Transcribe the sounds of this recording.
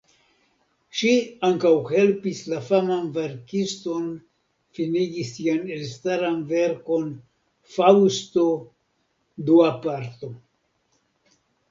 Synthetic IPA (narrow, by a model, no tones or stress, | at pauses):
ʃiaŋkawhe̞lpislafamanve̞ɾkisto̞n | finiɡisianelstaɾanve̞ɾko̞n | fawsto̞ | d̪uapaɾt̪o̞